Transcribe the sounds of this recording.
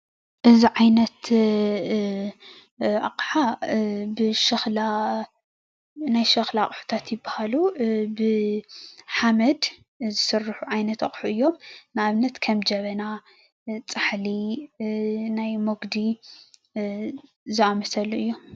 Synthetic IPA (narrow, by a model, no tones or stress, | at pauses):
ʔɨziʕajnɐt̪ | ʔa̰qʼħabɨʃɐxla | najʃɐxlakʼħu̥t̪ʰat̪jɪbːahalubɨ | ħamɐd̪ | zɨsɨrːħuʕajnɐt̪ɐχʼħuʔɨjːo̞mnaʔaβnɐt̪kʰɐmd͡ʒɐβɐna | t͡sʼaħli | najmoɡd̪i | zɨamɐsɐluɨjːu